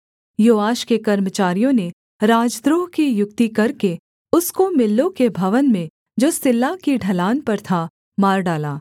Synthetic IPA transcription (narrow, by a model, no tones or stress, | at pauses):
joːaːʃkekɐɾmət͡ʃaːɾijõne | ɾaːd͡ʒd̪ɾoːɦkijʊk̚t̪ikɐɾke | ʊskomɪlːõkebʱɐʋənmẽ | d͡ʒoːsɪlːakiɖʱɐlaːnpɐɾt̪ʰa | maːɾɖaːlaː